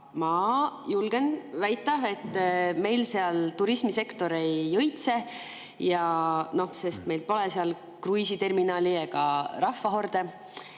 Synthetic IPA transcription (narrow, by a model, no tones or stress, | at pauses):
mɑjulɡ̥e̞nvæjt̪ːˑɑve̞t̪ːme̞jlse̞ɑlt̪uɾismise̞kt̪o̞ɾe̞jːɤjt̪se̞ | jɑno̞hse̞st̪me̞jlpo̞le̞seɑl | krujsit̪e̞rminɑːliekɑɾɑhvɑɦo̞rd̪̥e